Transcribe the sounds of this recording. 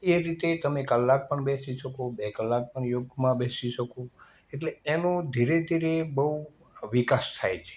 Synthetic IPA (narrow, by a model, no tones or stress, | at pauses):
eɾit̪et̪əmekəlːak̚pəɳbesiʃəkobekəlːak̚pəɳjoɡjmãbesiʃəko | eʈleːnod̪ʱiɾed̪ʱiɾebəɦu | ʋikast̪ʰajt͡ʃʰe̥